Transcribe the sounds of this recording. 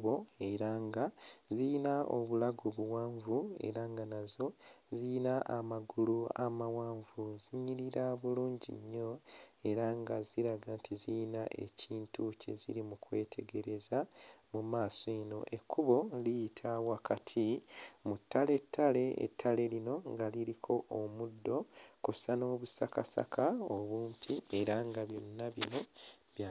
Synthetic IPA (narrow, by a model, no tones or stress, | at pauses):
o̞eɾaŋɡazinao̰βulaɡoβuwaːɱvue̞̰ɾaːŋɡanazo̞ziinaʔamaɡulua̰mawaːɱvuziɲiɾiɾaβuluːɲɟḭɲːo̞e̞ɾaŋɡaziɾaɡaːntʰizijinaʔe̞̰ciːntuce̞̰zḭɾimukwe̞̰ːtʰe̞ɡe̞ɾe̞zamumaːsoeno̞̰ʔe̞kʰːuβo̞lijitʰawakatʰimutːale̞tʰːale̞ḛtʰːale̞lino̞ŋɡaliɾikʰo̞ʔomudːo̞kusano̞ːβusakasa̰kʰaoβuːmpʰie̞ɾaŋɡaβjo̞nːaβino̞ | βja